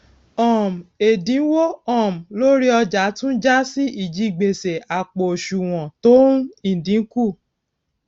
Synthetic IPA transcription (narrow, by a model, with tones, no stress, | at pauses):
ɔ˨m˨e˨dĩ˨˦wo˦ɔ˦˨m̩˨lo˦ɾi˦ɔ˧d͡ʒa˨˦tũ˦d͡ʒa˦si˦ʔi˦˨d͡ʒi˦˨ɡ͡be˨se˨a˨k͡po˨o˨ʃu˨w̃ɔ̃˨to˦ũ˦ĩ˨n̩˨dĩ˨˦ku˦˨